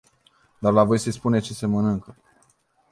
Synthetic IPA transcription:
d̪arlavo̞jsespunet͡ʃesemənɨŋkə

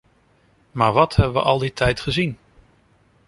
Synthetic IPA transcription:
maːɹʋɑthɛbəʋə̰ʔɑlˠditʰɛjtχəzin

